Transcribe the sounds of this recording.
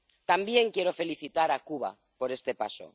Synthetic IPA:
t̪ambje̞ŋkjeɾofe̞liθit̪aɾakuβa̰ | poɾest̪epa̰so̰

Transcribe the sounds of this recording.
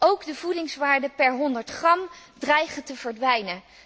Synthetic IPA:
owɡdəvudɪŋsʋaːɹdəpɛɹɦɔndəɹtχrɑm | drɛjχəntəvəɹdʋɛjnə

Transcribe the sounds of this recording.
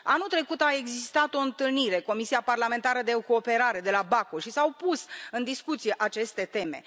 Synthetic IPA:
a̰nut̪ɾe̞kut̪ae̞ɡzist̪at̪o̞ɨnt̪ɨlniɾe̞ko̞misiaparlame̞nt̪aɾəd̪e̞ko̞ːpe̞ɾaɾe̞d̪e̞labakoʃisawpusɨnd̪iskut̪sije̞ʔat͡ʃe̞st̪e̞t̪e̞me̞̰

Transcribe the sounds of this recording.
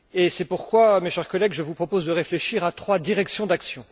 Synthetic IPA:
esɛpuʁkwameʃɛʁkɔlɛɡʒəvupχɔpozd̪əʁefleʃiʁat̪χwad̪iʁɛksjɔ̃d̪aksjɔ̃

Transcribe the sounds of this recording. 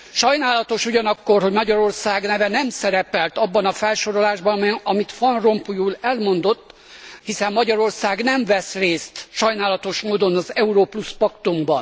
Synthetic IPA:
ʃɒjnaːlɒt̪o̞ʃuɟɒnɒkːorɦo̞ɟmɒɟɒɾo̞rsaːɡnɛvɛnɛmsɛɾɛpɛlt̪ɒbːɒnɒfɛlʃo̞ɾo̞laːʒbɒnɒmit̪fɒnro̞mpujuːlɛlmo̞nd̪o̞t̪ː | hisɛmːɒɟɒɾo̞rsaːɡnɛɱvɛsreːst̪ʃɒjnaːlɒt̪o̞ʃmoːd̪o̞nɒzɛuɾoːpluspɒkt̪umbɒn

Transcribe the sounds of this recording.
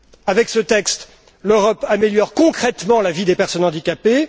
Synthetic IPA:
avɛksət̪ɛkst̪ | løʁɔpameljɔʁkɔ̃kχɛt̪mɑ̃lavid̪epɛʁsɔnɑ̃d̪ikʲape

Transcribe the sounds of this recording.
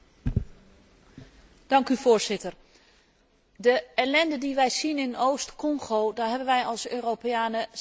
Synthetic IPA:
d̥ɑŋkyvʊːɹzɪtəɹ | dəɛlɛndədiʋɛjzinɪnowstkɔŋχowdaːɹɦɛbənʋɛjɑlˠsøːrowpeaːnə

